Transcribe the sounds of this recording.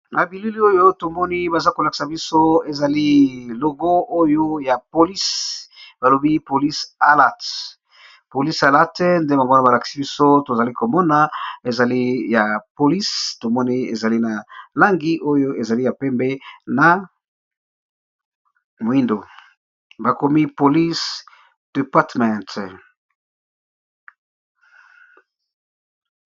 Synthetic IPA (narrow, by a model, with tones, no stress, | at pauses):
na˨bi˨lu˦li˦o˦jo˦to˨mɔ˦ni˦ba˨za˦ko˨la˨ki̥˨sa˨bi˦so˦e˨za˨li˦lo˨ɡo˦o˦jo˦ja˨po˨li˦sb̥a˨lo˨bi˦po˨li˦sa˦la˦˨t | po˨li˦sa˨la˦tɛ˦nde˦ba˨ŋɡo˦na˦ba˨la˨ki̥˨si˦bi˦so˦to˨za˨li˦ko˨mɔ˦na˦e˨za˨li˦ja˨po˨li˦sto˨mɔ˦ni˦ḛ˨za˨li˦na˨la˦ŋɡi˦ʔo˦jo˦ʔe˨za˨li˦ja˨pɛ˦mbɛ˦na˨ | mo˨i˦ndo˨ | ba˨ko˨mi˦po˨li˦s | d̥e˨pa˦tmɛ̃˨nt